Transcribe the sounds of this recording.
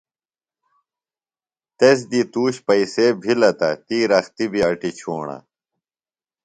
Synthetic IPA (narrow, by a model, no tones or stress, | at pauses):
t̪es̬d̪it̪uːɕpɐiseːbʱilɐt̪ɐ̰t̪iːɾɐxt̪ibiɐʈit͡ɕʰoːɳa̰